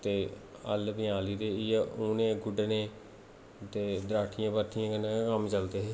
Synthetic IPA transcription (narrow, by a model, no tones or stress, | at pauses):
t̪eːəlbɪjaːliːɾeːɪuːnẽːɡʊɖneː | t̪eːd̪ɾaːʈʰijãːpət̪ʰijãːkənãːkəmt͡ʃəlt̪eːɦeː